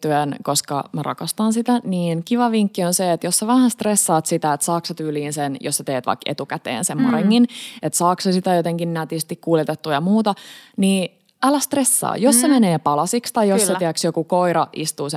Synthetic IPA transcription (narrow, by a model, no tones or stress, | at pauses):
t̪yænkoskɑ̰mærɑ̰kɑst̪ɑnsit̪æniːnkiʋɑʋiŋkːionseːt̪jossæʋæhænst̪resːɑːt̪sit̪æet̪sɑːksɑt̪yːliːnsenjo̰sæt̪eːt̪ʋɑ̰ikḛt̪ukæt̪ḛːnsemːoneŋkinet̪sɑːksɑsit̪æjot̪eŋkinnæt̪ist̪ikkuːljet̪et̪ːujɑmuːt̪ɑniː | ɑlæst̪resːɑ̰ːjossemeneːpɑlɑsikst̪ɑjjosːet̪iæksjokukoiɾɑʔist̪uːse